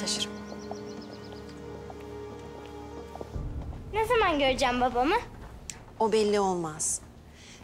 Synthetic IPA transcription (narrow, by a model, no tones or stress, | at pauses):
aʃɯɾ | nezamanɟøɾd͡ʒæmbabamɯ | obɛlʲːio̞lˠmaz̥